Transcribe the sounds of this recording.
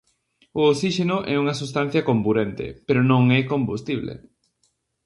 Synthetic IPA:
ʊoksiʃenʊʔɛuŋɐsust̪an̟θjɐkombuɾent̪ḛpeɾonõŋɛkombust̪iβlḛ

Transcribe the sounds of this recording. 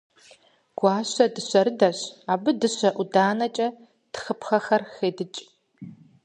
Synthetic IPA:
ɡ̥ʷɑːɕɐdɨɕʷɐɾɨdɐɕaːbɨdɨɕʷɐʔudaːnɐt͡ʃʼɐ | txəpxɐxɐrxeːdɨt͡ʃʼ

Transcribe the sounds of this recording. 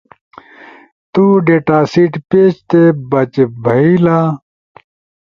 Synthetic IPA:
t̪uːɖeːʈaːsiːʈpeːt͡ɕt̪ebɐt͡ɕebʱɐiːlaː

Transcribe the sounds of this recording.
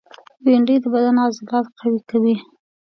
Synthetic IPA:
weɳɖəjd̪əbad̪anazɪlɑt̪qʰawikawi

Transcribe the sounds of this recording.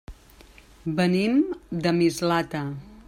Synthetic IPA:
bənimd̪əmizlat̪ə

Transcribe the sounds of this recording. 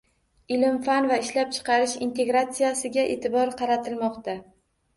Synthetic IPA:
ɪlɪmfanvaɪʃlap̚t͡ʃʰɨ̥qʰɑɾɪʃint̪ʰe̞ɡɾat̪sijasɪɡʲaʔe̞̰t̪ʰɪbɒɾqʰɑɾat̪ʰɪlmɒqt̪a

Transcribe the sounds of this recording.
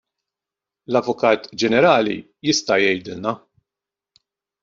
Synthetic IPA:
lɐvːʊkɐːt̪d͡ʒɛnɛɾɐːlḭ | jɪst̪ɐjɛjd̪ɪlnɐ

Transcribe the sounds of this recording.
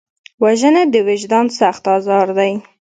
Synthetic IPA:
waʒənad̪əwɪʒd̪ɑnsaxt̪ɑzɑɾd̪aj

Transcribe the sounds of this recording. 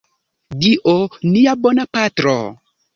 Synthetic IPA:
diʔoniabonapatɾo̰

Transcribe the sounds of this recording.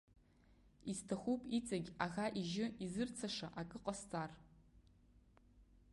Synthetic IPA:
iztʰaχʷupʼit͡sʼaɡʲaɣaʔiʒɪizɨrt͡sʰaʂaʔakʼɨqʼast͡sʼar

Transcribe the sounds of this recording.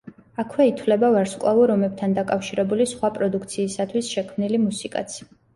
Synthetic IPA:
akʰwɛit̪ʰwlɛbavaɾskʼlˠavuɾɔmɛb̚t̪ʰand̪akʼafʃiɾɛbulisχwapʼɾɔd̪ukʰt̪sʰiːsat̪ʰwisʃɛkʰmnilimusikʼa̰t̪sʰi̥

